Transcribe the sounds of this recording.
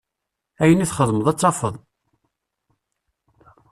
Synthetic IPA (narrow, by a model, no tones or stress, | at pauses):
æjəniθχəðˤməðˤæt͡sːɑfəðˤ